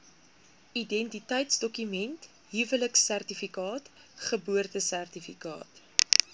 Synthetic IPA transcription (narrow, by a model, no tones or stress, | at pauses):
idɛntitəjtsdɔkymɛnt | ɦivələksærtifikɑːt | χəbuərtəsærtifikɑ̰ːt